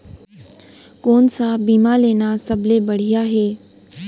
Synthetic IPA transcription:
koːnsabiːmaleːnasɐbʱlebɐɽ̤ijaɦeː

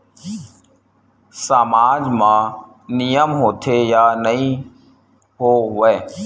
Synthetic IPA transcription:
samaːd͡ʒmãː | nijəmɦoːt̪ʰeːjaːnəɦĩː | ɦoːɦʊʋeː

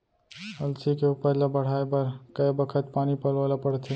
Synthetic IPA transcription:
əlsikeuːpəɾlabəɽ̤aːebəɾkɐjbəkʰət̪paːnipəlʋaːlapəɽt̪ʰe

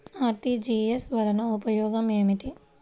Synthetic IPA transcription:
aːɾʈid͡ʒiːesʋɐd̪ʱɐnɐupɐjɔːɡɐmeːmiʈi

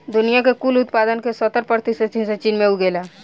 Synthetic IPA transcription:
d̪ʊnijakekulʊt̪paːd̪ənkesɔt̪əɾpəɾt̪iset͡ʃinset͡ʃiːnmẽuɡeːlaː

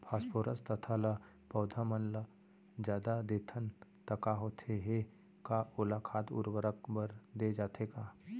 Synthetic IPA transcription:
pʰaːspoːɾəst̪ət̪ʰalə | pɔːd̪ʱamənlə | d͡ʒjaːd̪ad̪eːt̪ʰənt̪əkaɦot̪ʰeɦe | kaʊlakʰaːt̪ʊ̰ɾʋəɾəkbəɾd̪ed͡ʒaːt̪ʰekaː

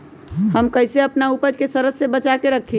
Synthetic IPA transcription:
ɦəmkəɪseəpnaupəd͡ʒkesəɾəsːebət͡ʃakeɾəkʰːi

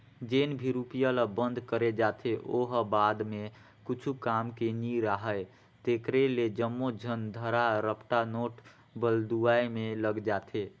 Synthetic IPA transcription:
d͡ʒenbʱiɾupijələbənd̪ʱkəɾed͡ʒat̪ʰeʔoɦbad̪me | kut͡ʃʰukamkeniɾaɦəj | t̪ekɾeled͡ʒəmːod͡ʒʱənd̪ʱəɾaɾəpʈanoʈ | bəld̪uaimẽləɡd͡ʒat̪ʰe

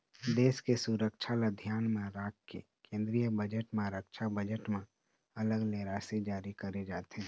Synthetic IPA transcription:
d̪eːskesuɾəkʃʰalad̪ʱjaːnmẽɾaːkkːḛ | kẽːnd̪ɾijəbəd͡ʒəʈmẽɾəkʃʰabəd͡ʒəʈmẽ | ɐləɡleːɾaːsed͡ʒaːɾikɐɾed͡ʒaːt̪eɦɛ̃

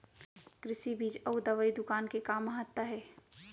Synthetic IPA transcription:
kɾɪsibʱiːd͡ʒəud̪əʋəid̪ʊkaːnkekaːməɦət̪ːəɦɛː

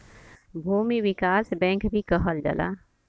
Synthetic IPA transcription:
bʱuːmiwɪkaːsbɛ̃ːŋkbʱikəɦəld͡ʒɐ̰la̰ː

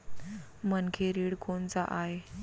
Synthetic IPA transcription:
mənkʰeɾiɽkoɳt͡saʔaɦe

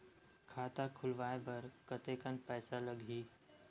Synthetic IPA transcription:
kʰaːt̪akʰʊlʋaːebɐɾkət̪ekənpɛːsaləɡʱiː

